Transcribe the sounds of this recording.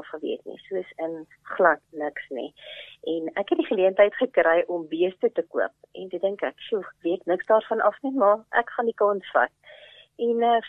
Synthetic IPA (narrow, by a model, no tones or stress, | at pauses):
ɑfχəvḭətnḭsuəsən | χlɐtnəksnḭʔɛnækɦɛt̚diχəliəntəjtχəkɾəjʔɔmbiəstətəkuəp̚ʔɛ̰ntədəŋkæksuviəknəksdɑːrfɐnʔɐfnimɑʔækχɑndikɑnsfɐ̰t̚ | ɛnə